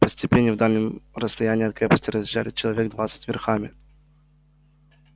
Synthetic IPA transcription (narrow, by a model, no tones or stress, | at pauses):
pəsʲtʲɪpʲenʲːɪvd̪alʲnʲəmɾəst̪ɐjanʲɪjɐt̪̚kɾʲepəsʲtʲɪɾəzʲɪʒːa̰lʲɪt͡ɕɪlˠɐvʲeɡd̪vat̪sə̥tʲvʲɪrxamʲɪ